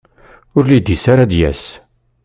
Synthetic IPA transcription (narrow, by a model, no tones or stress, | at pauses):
ʊɾlid̪isaɾad̪jæ̰s